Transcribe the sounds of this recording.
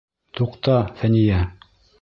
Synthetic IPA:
t̪uqt̪ɑfænijæ

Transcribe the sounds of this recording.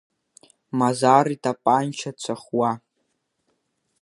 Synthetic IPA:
mazaɾitʼapʼant͡ʃʰat͡sʷʰaχwa

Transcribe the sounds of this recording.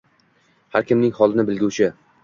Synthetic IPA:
haɾkʲʰɪmnɪŋhɒlˠɪnɪbɪlɡʲut͡ʃʰɪ

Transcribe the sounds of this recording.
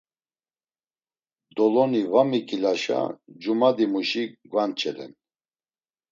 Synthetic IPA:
d̪ɔlɔnivamikʼilaʃa̰d͡ʒumad̪imuʃiɡwant͡ʃʼʰɛlɛ̰n

